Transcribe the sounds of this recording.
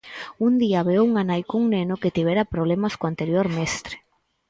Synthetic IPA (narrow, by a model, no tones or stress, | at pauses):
und̪iaβewuŋanajkouŋnenʊket̪iβeɾapɾoβ̞lemaskoant̪eɾjoɾmest̪ɾe̥